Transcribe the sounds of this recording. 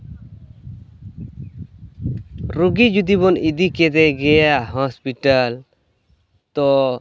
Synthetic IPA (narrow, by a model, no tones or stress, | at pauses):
ɾuɡid͡ʒud̪ibɔnid̪ikɛd̪ɛɡɛjaɦɔspiʈal | t̪ɔ